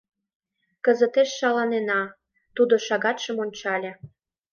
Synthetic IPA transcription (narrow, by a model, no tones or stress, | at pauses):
kəzət̪eʃːɑlɑnenɑ | t̪ud̪oʃɑɣɑt̪ʃəmonʲt͡ɕɑlʲĕ